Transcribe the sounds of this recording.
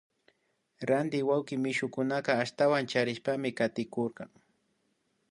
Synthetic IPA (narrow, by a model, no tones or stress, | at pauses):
ɾand̪ɪwawkɪmɪʃʊkʊnaqɑːʃt̪awant͡ʃaɾɪʃpamɪkat̪ɪkoɾqɑŋ